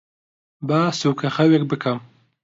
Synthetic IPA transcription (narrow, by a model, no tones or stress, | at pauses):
baːsuːkʰɐxɐwek̚bɨkʰɐm